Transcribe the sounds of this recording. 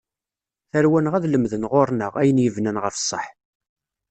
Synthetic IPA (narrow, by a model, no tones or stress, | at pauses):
θəɾwænʁæðləmðənʁoɾˤnəʁæjənjəvnænʁəfə̥sˤːəħ